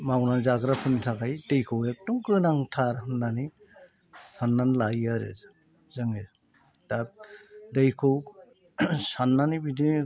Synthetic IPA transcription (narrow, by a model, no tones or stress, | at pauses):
mawnanzaɡɾapʰɯnitʰakajdejkʰɯwek̚tɔŋkɯnaŋtʰaɾnani | sanːanlajaɾḛz | zɯŋɯ | d̥ab̚dejkʰɯw | sanːanibidi